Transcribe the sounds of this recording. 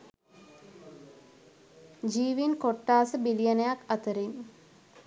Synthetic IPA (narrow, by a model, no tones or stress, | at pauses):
d͡ʒiːʋinkoʈːaːsəbilijənəjakat̪əɾin